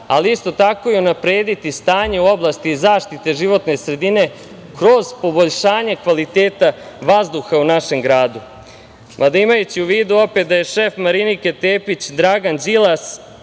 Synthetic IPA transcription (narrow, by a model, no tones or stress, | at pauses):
aliist̪o̞t̪ako̞jiunapɾe̞ːd̪it̪ist̪aːɲeuo̞blˠast̪izaːʂt̪it̪e̞ʒiʋo̞t̪ne̞sɾe̞d̪ine̞ | kɾo̞zpo̞bo̞ʎʃaːɲekʋalit̪eːt̪aʋazd̪uxaunaʃe̞mɡɾaːd̪u | mʔad̪aimajut͡ɕiuʋiːd̪uo̞pet̪̚d̪aje̞ʃe̞fmaɾiniket̪eːpit͡ɕd̪ɾaɡanzilˠas